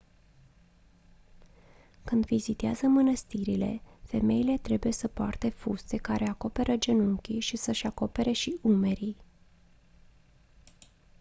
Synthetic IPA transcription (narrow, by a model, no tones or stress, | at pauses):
kɨnd̪vizit̪eazəmənəst̪iɾile̞̰fe̞me̞ile̞t̪ɾe̞buje̞səpoart̪e̞fust̪e̞kaɾʔe̞ako̞pe̞ɾʔəd͡ʒe̞nuŋkʲiʃisəʃako̞pe̞ɾʔe̞ʃiʔume̞ɾij